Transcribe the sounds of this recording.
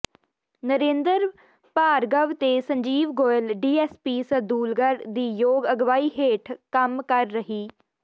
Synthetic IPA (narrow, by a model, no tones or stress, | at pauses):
nəɾẽːnd̪əɾ | paːɾɡəʋt̪eːsəɲd͡ʒiːʋɡoːəlɖiːɛːspiːsəd̪uːlɡəɾd̪iːjoːɡəɡʋaːiːɦeːʈʰkəmkəɾːəɦiː